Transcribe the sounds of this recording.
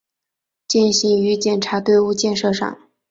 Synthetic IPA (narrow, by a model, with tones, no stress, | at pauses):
t͡ɕɛ˥˩nɕi˧˥ŋy˧˥t͡ɕjɛ˨˩nʈ͡ʂʰa˧˥t̪we˥˧ɪu˥˧t͡ɕjɛ˥˧nʂɤ˥˧ʂɑ̰˥˩ŋ